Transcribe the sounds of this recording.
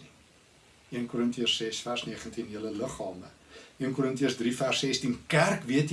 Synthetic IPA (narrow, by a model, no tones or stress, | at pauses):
ni | iənkuɾəntiərssɛsfærsniəχəntinjələləχɑːməiənkuɾəntiəsdrifærsɛstinkærkviət